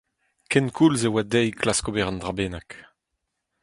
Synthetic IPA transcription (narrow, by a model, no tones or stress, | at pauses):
kɛnkʰulzewad̪ɛjkʰlaskobɛʁɑnd̪ʁabeːnak